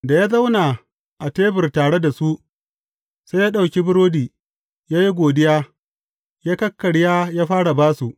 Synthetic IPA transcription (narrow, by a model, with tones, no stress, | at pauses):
da˨jaː˦za˦wna˨ | ʔa˨teː˦bɪ˨rtaː˨ɽe˦da˨su˦ʔ | sa˦jaː˦ɗa˨wkʲi˦bɪ˦ɾoː˦diː˨ | jaː˦ji˦ɡʷoː˨dɪ˦jaː˦ | jaː˦kɐ˦kːɐ˨ɽjaː˦jaː˦ɸaː˦ɽa˨baː˦su˨ʔ